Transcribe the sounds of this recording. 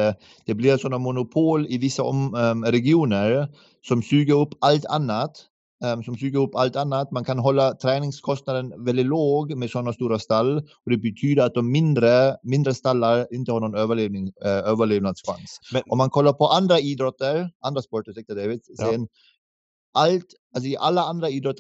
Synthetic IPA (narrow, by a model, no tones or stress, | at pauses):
d̪̥ɛblɪɾsɔnːamʊnʊpʰoːlɪvɪsːaɔmɾɛɡɪuːnəɾ | sɔmsyːɡəɾɵpːalt̪ʰanːat̪ | sɔmsyːɡəɾɵpːalt̪anːat̪mankʰanɦɔlːat̪ʰɾɛːnɪŋskʰɔst̪nad̪ənvɛld̪ɪt̪loːɡmɛd̪sɔnːast̪uːɾast̪alːɔd̪ɛbɛt̪ʰyːd̪əɾat̪̚d̪ɔmːɪnd̪ɾəmɪnd̪ɾəst̪alːaɾɪnt̪əhɑːɳnɔnøːvəɭevnɪŋøːvəɭeːvnad̪ska̰nsʔɔmːankʰɔlːaɾpʰɔʔand̪ɾaiːd̪ɾɔt̪ːəɾʔand̪ɾaspɔʈəsɛk̚t̪əd̪evɪd̪ssɛːən | ʔalt̪ | als̬ɔɪʔalːaand̪ɾaiːd̪ɾɔt̪ː